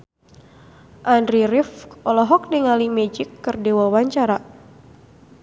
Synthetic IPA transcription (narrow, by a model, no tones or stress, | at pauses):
ʔandɾiɾifʔɔlɔɦɔk̚diŋalimɛd͡ʒɪkːɨrdewawaɲt͡ʃaɾa